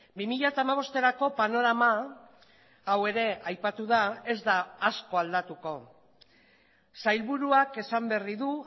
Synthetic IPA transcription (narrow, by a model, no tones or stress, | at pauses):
bimiʎat̪aːmaβ̞o̞st̪e̞ɾako̞pano̞ɾama | awe̞ɾe̞ajpat̪uð̞ae̞zd̪aːsko̞ald̪at̪uko̞ | sajlβuɾuake̞samberiðu